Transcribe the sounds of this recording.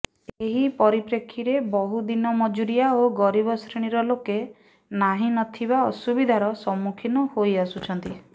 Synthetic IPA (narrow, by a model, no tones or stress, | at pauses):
eɦipɔɾipɾekʰːiɾebɔɦud̪inɔmɔd͡ʒuɾijaoɡɔɾibɔsɾeɽ̃iɾɔloke | naɦinɔt̪ʰibaɔsubid̪ʱaɾɔsɔmːukʰinɔhojasut͡ʃʰɔnt̪i